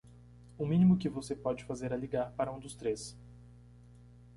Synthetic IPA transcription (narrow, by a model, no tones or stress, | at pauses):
ʊmĩnimʊkɪvosepɔd͡ʒɪfazeɾɐliɡaɾpaɾɐũd̪ʊst̪ɾes